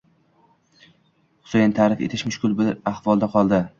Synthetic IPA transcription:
χʊ̥sejnt̪ʰaːɾɪfe̞̰t̪ʰɪʃmʊʃkʰʲʊlˠbɪaχvɒlˠd̪aqʰɒlˠd̪ɪ

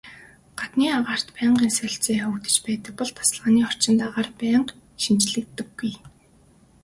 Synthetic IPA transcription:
ɢ̥at̪niːaʁaːr̥t̪pæːɴɢiːnsœɬʲt͡seːxɵkt̪ɘ̆t͡ɕpæːt̪ə̆k̚pɔɮt̪ʰḁsɮʁaːniːɔr̥t͡ɕɪ̆nt̪aʁaːrpæːɴq | ʃint͡ɕɮɘ̆k̚t̪ːɘ̆ɡːuj

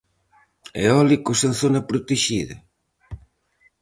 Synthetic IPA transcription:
ḛɔlikosenθonɐpɾot̪eʃiðɐ̰

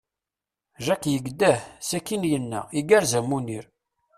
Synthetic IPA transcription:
ʒækjəɡd̪æhsækːinjənːæ̰iɡæɾzæmuniɾ

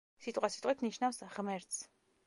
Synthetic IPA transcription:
sit̪ʼqʼwasit̪ʼwit̪ʰniʃnafsʁmɛɾt̪s

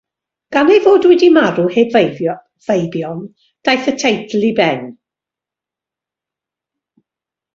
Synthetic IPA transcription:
ɡ̥anejvoːdwɛdimaɾuheb | v̥ejbjɔn | d̥ajθətʰejdlibɛn

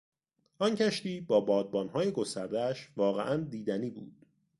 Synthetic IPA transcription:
ʔɒncʰæʃt̪iːbɒːbɒːd̪̚bɒːnɦɒːje̞ɡo̞st̪æɾd̪ææʃvɒːɣḛʔænd̪iːd̪æniːbṵːd̪̥

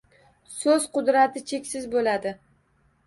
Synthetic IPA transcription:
sɵz̥qʊd̪ɾat̪ʰɪt͡ʃʰe̞kʲsɪzbolad̪ɪ

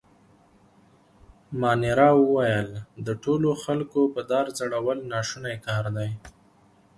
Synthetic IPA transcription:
mɑnɪɾɑwəwajəld̪əʈoloxalkopəd̪ɑɾzaɽawəlnɑʃunajkɑɾd̪aj

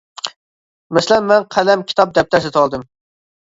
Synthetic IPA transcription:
mɛsɪlɛnmɛnqʰælɛmkʲʰi̥t̪ʰɑp̚d̪ɛp̚t̪ʰɛsɪt̪ʰwɑlˠd̪ɨm

